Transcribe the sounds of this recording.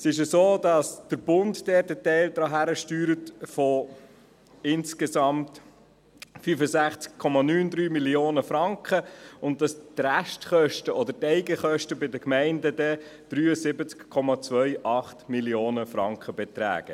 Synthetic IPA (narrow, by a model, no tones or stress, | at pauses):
sɪʃ̬əsoːdɑsd̥əɾb̥ʊnddɛːtətɛɪld̪ɾɑɦæɾəʃtyːɾətfɔ | ɪnskesɑmt | fyfəsæχt͡skkʰːɔmɑnyːnd̪ɾyːmiljoːnəfɾɑŋkχəʊnt̚dɑstræʃtχœʃtəʔɔd̪əɾtɛɪɡəχœʃtəbɪdəkmɛɪndəd̪ɛd̪̥ɾyːəsɪbət͡skkʰːɔmɑt͡sʋœʏʔɑχtmiljoːnəfɾɑ̰ŋkχəbɛt̪ɾæ̰ːɡ̥ə